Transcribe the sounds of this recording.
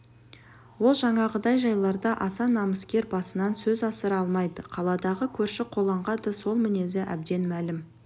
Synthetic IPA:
wo̞lˠʒɑɴɑʁəd̪ɑjʒɑjlˠɑɾd̪ɑʔɑsɑnːɑməskʲe̞ɾbɑsənɑnsɵzɑsəɾɑlˠmɑjd̪əqʰɑlˠɑd̪ɑʁəkʲʰɵɾʃɪqʰo̞lˠɑɴʁɑd̪əso̞lˠmɪne̞zɪʔæ̰b̚d̪e̞nmælɪm

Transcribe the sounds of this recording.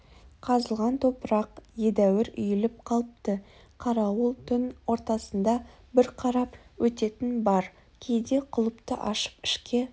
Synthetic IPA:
qʰɑzəlˠʁɑnt̪ʰopəɾɑqje̞d̪æwɪɾʏjɪlɪp̚qʰɑlˠəp̚t̪ə | qʰɑɾɑwəlˠt̪ʰʏnwo̞ɾt̪ɑsənd̪ɑ | bɪɾqʰɑɾɑpwɵt̪e̞t̪ɪnbɑɾ | kʲʰe̞jd̪e̞qʰʊlˠəpt̪əʔɑʃə̥pɪʃkʲe̞

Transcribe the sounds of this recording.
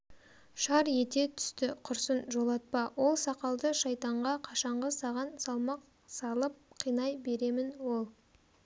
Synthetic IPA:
ʃɑɾje̞t̪e̞t̪ʰʏ̥st̪ɪqʰʊɾsənʒo̞lˠɑt̪̚pɑwʔo̞lˠsɑqɑlˠd̪əʃɑjt̪ɑɴʁɑqʰɑʃɑɴʁəsɑʁɑnsɑlˠmɑq̚ | sɑlˠəp̚qʰijnɑjbe̞ɾe̞mɪnwo̞lˠ

